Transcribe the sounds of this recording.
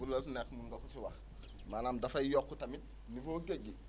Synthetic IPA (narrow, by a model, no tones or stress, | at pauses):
ullas̬nekmuŋɡokusiwax | malamdafaijokːutamit̚ | nifoːɡeɡi